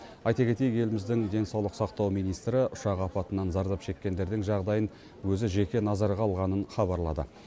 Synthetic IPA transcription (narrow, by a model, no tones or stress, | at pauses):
ɑjt̪ɑkʲe̞t̪e̞jɪke̞lɪmɪzd̪ɪŋd̪e̞nsɑwlˠəqsɑqt̪ɑwmijnijst̪ɾɪʔʊʃɑqɑpɑt̪ənɑnzɑɾd̪ɑpʃe̞kʲːe̞nd̪e̞ɾd̪ɪŋʒɑʁd̪ɑjən | wɵzɪʒe̞kʲe̞nɑzɑɾʁɑlˠʁɑnənχɑβɑɾlˠɑd̪ə̰